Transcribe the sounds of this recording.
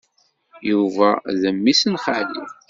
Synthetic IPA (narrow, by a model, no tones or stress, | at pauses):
juvæðəmːisənχalḭ